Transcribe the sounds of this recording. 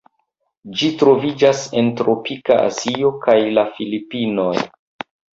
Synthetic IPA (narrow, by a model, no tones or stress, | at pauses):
d͡ʒitɾo̞vid͡ʒase̞ntɾo̞pikaa̰zio̞kajlafilipino̞j